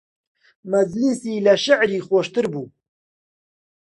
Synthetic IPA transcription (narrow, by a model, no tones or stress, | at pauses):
mɐd͡ʒlisiːlɐʃaʕɾiːxoːʃt̪ɨɾbuː